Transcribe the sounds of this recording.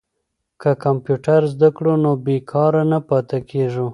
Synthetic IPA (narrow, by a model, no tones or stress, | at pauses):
kakampjuʈaɾzd̪akɽunobekʰɑɾanapɑt̪akʰeʐu